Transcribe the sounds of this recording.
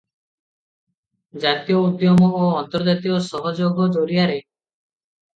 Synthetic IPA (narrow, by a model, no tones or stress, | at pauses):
d͡ʒat̪ijɔud̪jɔmɔoɔnt̪ɔɾd͡ʒat̪ijɔsɔɦɔd͡ʒoɡɔd͡ʒoɾiaɾe